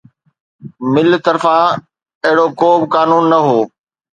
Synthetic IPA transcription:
mɪlt̪ɐɾfã | ɐɦɪɽokoːbɪkaːnuːnːɐɦoː

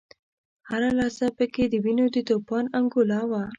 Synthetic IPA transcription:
haɾalɑsapəked̪əwinod̪ət̪opɑnaŋɡolɑwa

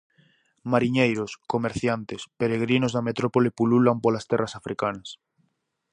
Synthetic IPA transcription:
maɾiɲejɾoskomeɾθjant̪espeɾeɣɾinozðɐmet̪ɾopolipululampolast̪ɛrasafɾʔikanɐs

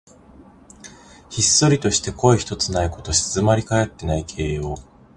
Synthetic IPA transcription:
çisːo̞ɾʲit̪o̞ɕi̥t̪e̞ko̞eçi̥t̪o̞t͡sɨnaiko̞t̪o̞ɕzɨmaɾʲikaet̪ːe̞naikʰe̞ːjo̞ː

